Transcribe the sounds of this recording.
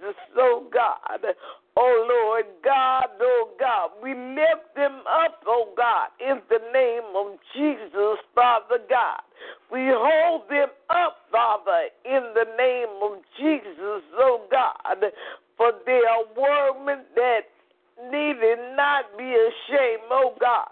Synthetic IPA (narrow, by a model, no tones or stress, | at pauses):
əsoʊɡɑ̰d | oʊlɔɹd̚ɡɑdoʊɡɑd̚wilɛf̚ðɨ̃mʌpoʊɡɑɾɪ̃nðɨnẽɪ̃mʌvd͡ʒizəsfɑðə˞ɡɑ̰d̥̚wiɦoʊlˠd̪̚ðɨ̃mʌpfɑðə˞ɪ̃nðɨnẽɪ̃mʌvd͡ʒizəsoʊɡɑ̰d̥̚fə˞ðəəwɜmɨ̃nðɨt̚ | niɾɪdⁿnət̚b̥iɨʃẽɪ̃moʊɡɑ̰d̥̚